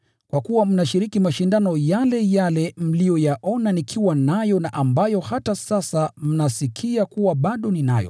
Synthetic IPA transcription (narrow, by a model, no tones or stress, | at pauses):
kwakuwam̩naʃiɾikimaʃindanɔjalɛjalɛm̩lijɔjaʔɔnanikʰiwanajɔnaʔambajɔhatasasam̩nasikʰiakuwaɓaɗɔnina̰jɔ̰